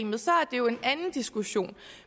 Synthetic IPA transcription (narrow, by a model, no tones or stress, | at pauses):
mð̞̩ˠsɒ̽æɐd̥e̝jo̝e̝nænn̩d̥isɡ̥uɕo̝̰ːn